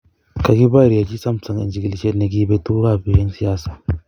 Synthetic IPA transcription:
ka˨ɡi˦baː˦ɾi˨ja˨d͡ʒi˦sɐ˦msɐ˨ŋʔɪ̰˨nd͡ʒɪ˨ɡɪ˨ld͡ʒɛ˦˨na˨ɡi˦be˦tuː˦ɾaː˦˨be˨jɛ˦nsi˨jaː˦sḁː˨

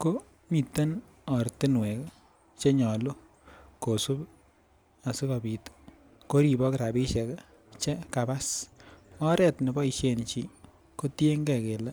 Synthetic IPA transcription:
ko˦ | mi˨tːe˦n | ɔ˨ɾtɪ˦nwe˨k | t͡ʃe˦ɲɔ˨lu˦ | ko˨su˦p | a˨si˦ka˨bi˨t | ko˦ɾi˨bɔ˦kɪɾa˨bi˦ʃɛ˨k | t͡ʃe˦ka˨ba˦s | ɔ˦ɾɛ˨tnɛ˨bɔ˦i˨ʃe˦˨nt͡ʃi˦ | ko˦tje˦ŋɡɛ˨ke˨lɛ˦

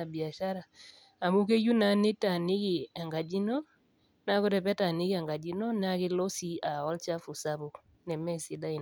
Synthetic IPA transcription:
a˨bi˨a˨ʃa˦ɾa˨ | a˨mu˦ke˦ju˦na˨˦nɪ˦ta˨nɪ˦ki˨a˨ŋɡa˨d͡ʒi˦nɔ˦ | na˦ko˦dɛ˨pɛ˦ta˨nɪ˦ɡɪ˦a˨ŋɡa˨d͡ʒi˦nɔ˦n˦a˦kɪ˦lɔ˦si˦a˨ɔ˦lt͡ʃa˦fu˨sa˦bo˨ | nɛ˨mɛ˦sɪ˨˦da˦ɪ˨

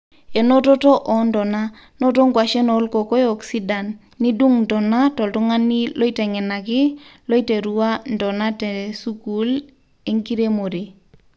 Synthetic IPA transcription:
e˨no˦tɔ˦tɔ˦ʔɔ˨ndɔ˨na˦ | nɔ˦to˦ŋɡwa˨ʃɛ˦nɔ˨˦lko˨ko˦jɔ˨ksi˦da˨nː | i˦du˦ŋndɔ˨na˦tɔ˨ltu˦ŋa˦ni˦lɔ˦i˦tɛ˨ŋɛ˨na˨kɪ˦lo˦i˦te˨ɾu˨wa˦ndɔ˨na˦tɛ˨su˦ku˦l | e˦ŋki˦ɾe˦mo˨ɾe˨

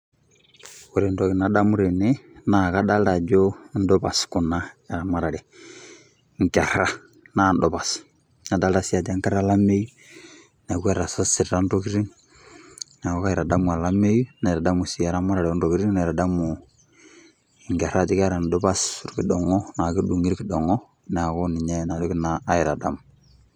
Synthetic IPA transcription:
ku˨ɾi˨ndɔ˨ki˨na˨da˦mu˦ɾi˨nɛ˦na˨ka˦da˦lla˨d͡ʒɔ˦n̩˦dɔ˦pa˨sku˨na˦a˨ɾa˨ma˨ɾa˨lɛ˨ | ŋka˨ɾa˦ | na˨n˦dɔ˨βa˨s | na˨da˦a˨si˦a˨da˦ŋ˦ka˦ɾa˦la˦me˦ju˦ | na˨kwɛ˦ɾa˨sa˦si˨ɾɾa˦n˦dɔ˦ki˦ɾi˦n | na˨kɔ˦ka˦jɪ˨ɾa˨da˦mu˨a˨la˦me˦ju˦na˨ɾa˨da˦mu˨si˨a˨ɾa˦ma˦ɾa˨ɾɛ˨˦n˦do˨ki˦ɾi˦ŋ˦na˨ɾa˨da˦mʊ˨ | ŋɡa˨ɾa˦˨dɪ˦ka˦ɾa˨n˨dɔ˦ba˦su˦ɾki˨dɔ˨ŋɔ˦na˨ki˦du˨ŋi˦ɾki˨dɔ˨ŋɔ˦ | n˨a˨kɔ˦ni˨ɲɛ˦na˨dɔ˦kɪ˦na˦a˦jɪ˨ɾa˨da˦m˨

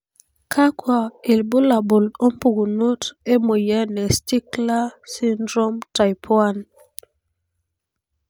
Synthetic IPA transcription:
kʰa˦kwa˨ɪ˨lbo˦la˨bo˨lo˦mpu˨ɡu˨no˦te˦mo˨jɛ˦nɛ˨sti˦kla˦si˦ndɾo˦mta˨jpʰwa˦n

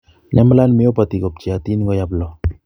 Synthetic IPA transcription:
ɲa˦m˦la˦nme˦o˦pa˨ti˨ko˨p̚t͡ʃi˨a˨ti˦nɡo˦ja˦plɔ˨

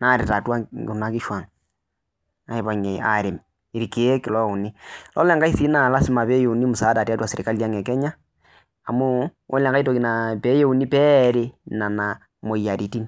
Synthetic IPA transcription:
na˦˨ɾɪ˨ta˨twa˦ɡna˦kɪ˦ʃwa˨ŋ | a˨i˨ba˨ŋe˨a̰˨ɾɪ˨m | i˨ɾi˨ke˨˦kɪ˨lɔ˦ʊ˨ni˦lɔ̰˦lɛ˦ŋɡa˦i˦si˦na˨la˦sɪ˦ma˨pe˦jo˨u˨ni˦mʊ˨saː˨˦da˨ta˦twa˨se˨ɾɪ˨ka˦li˦a˦ŋɛ˨kɛ˦ɲaː˦˨ | muː˦ | lɛ˨ŋka˦i˦to˨ki˨na˨pe˦je˦u˨ni˦pɛː˦ɾe˦na˨na˨ | mo˨ja˨ɾi˨ti˦n

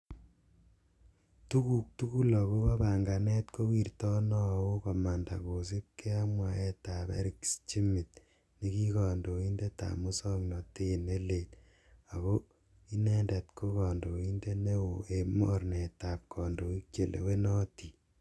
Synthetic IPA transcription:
tu˦ku˨k̚tu˦ku˦lɔ˨ko˦ba˦ba˨ŋɡa˨nɛ˦t̚ko˦wi˨rtɔ˦nɔ˦a˨wo˦kɔ˨ma˨nda̰˨ko˨s̬i˦p̚kʰe˦a˦mwa˨e˦ta˨pḛ˦ɾi˦kst͡ʃi˦mi˨t̚ | ni˦ki˦kɔ˨ndo˨i˦nde˦ta̰˨mu˦sɔ˦ŋnɔ˨te˦˨ne˦le˨t̚ | a˨ko˦ | i˦ne˦nde˨t̚kʰo˦kɔ˨ndo˨i˦nde˦ne˦wo˨e˨mo˦ɾne˨ta˨p̚kʰɔ˨ndo˨i˦k̚t͡ʃe˨lʔḛ˨we˦nɔ˦ti˨

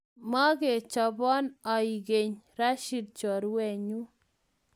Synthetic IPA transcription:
ma˦ke˨t͡ʃɔ˨bɔ˦nɔ˨i˨ɡe˨ɲɾa˦ʃi˨d̚t͡ʃɔ˨ɾwɛ˨ɲu˦

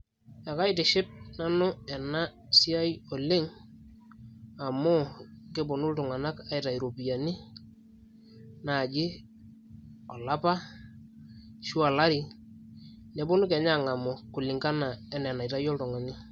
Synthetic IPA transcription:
a˨ka˦ɪtɪ˨ʃɪ˦p̚na˦nʊ˦ɛ˨na˦ | si˦a˦jo˨lɪ˦ŋ | a˨mʊ˦kɪ˦bʊ˨nʊ˦ltʊ˨ŋa˨na˦ka˨ɪ˨ta˨iɾo˨pi˨ja˨nɪ˦ | na˨d͡ʒɪ˦ | ɔ˨la˦pa˦ | ʃu˦a˨la˦ɾi˨ | ne˨bʊ˦nʊ˦kɛ˨ɲa˦˨ŋa˨mʊ˨kʊ˨lɪ˨ŋka˦na˨ɛ˨˦nɛ˨na˨i˨ta˦jɔ˦ltʊ˨ŋa˨nɪ˦

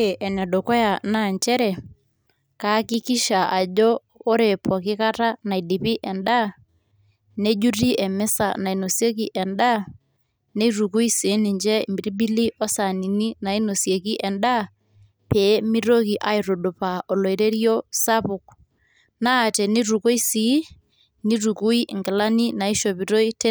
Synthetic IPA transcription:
e˨ʔɛ˨na˨do˨kɔ˦ja˨na˦˨ɲt͡ʃɛ˦ɾɛ˨ | ka˨˦kɪ˦kɪ˦ʃa˨ʔa˨d͡ʒɔ˦ | o˦ɾe˨pʰɔ˨kɪ˦ka˦ta˦na˨i˨di˨pi˦ʔɛ˨nda˦ | ne˦d͡ʒu˦ri˦ʔɛ˨mɛ˦sa̰˨na˨i˨no˨sje˦k̬i˨ʔɛ˨nda˦ | ne˦ɾu˨ku˦i˦si˨˦nɪ˨ɲd͡ʒɛ˦˨mbi˨ɾi˦bi˦li˦ʔɔ˦sa˨ni˨ni˦na˨i˦no˨sje˨ki˦ʔɛ˨nda˦ | pe˨˦mi˦ɾo˦ki˨ʔa˨˦i˦ɾo˨do˨pa˨ʔɔ˨lo˨i˨ɾe˦ɾjo˦sa˦pʊ˨k̚ | naː˦˨tɛ˨ni˦ɾu˨ko˦i˦si˨˦ | ni˦ɾu˨ku˦i˦ʔŋɡɪ˨la˦ni˦na˨i˦ʃo˨pi˨ɾo˦i˦t

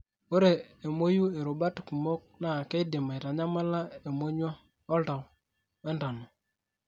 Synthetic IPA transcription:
o˦ɾe˨e˨mo˦ju˦e˨ɾo˨ba˦tku˨mo˦k̚na˦˨ke˦dɪ˨ma˨i˨ɾa˨ɲa˦ma˦la˦e˨mo˦ɲwɔ˦ | ɔ˦ta˨w | e˦nda˨no˨

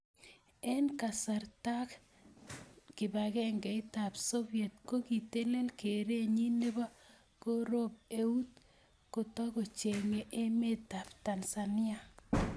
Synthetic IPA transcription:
ɛ˦nka˨sa˨rta˦k | kɪ˨ba˨kɛ˦ŋɡɛ˨ɪ˦ta˨pso˦bje˨t̚ko˦ki˨te˦le˦lke˨ɾe˦ɲi˦ne˦ba˦ | ko˦ɾo˦p̚e˦u˦t̪̚ | ko˨tɔ˦ko˨t͡ʃe˨ŋe˨ʔe˦me˦t̪a˨pta˨lsanɪ˦a˨

